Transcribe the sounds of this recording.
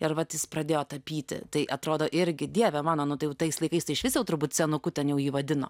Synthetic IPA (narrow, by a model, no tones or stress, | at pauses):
ɪɾʋɐt̪jɪsprɐd̪ʲeːjoːt̪ɐpʲiːt̪ʲɪ̰t̪ɐɪʔɐt̪ɾoːd̪oːʔɪɾʲɡʲɪd̪ʲiɛʋʲɛmɑːnoːnʊt̪ɐɪjɛʊt̪ɐɪslˠɐɪkɐɪst̪ɐɪɪʃʋʲɪsʲjɛʊt̪ʊrbuːt̪̚ʲsʲɛnʊkʊtʲɛnjɛʊjiːʋɐd̪ʲɪno̰ː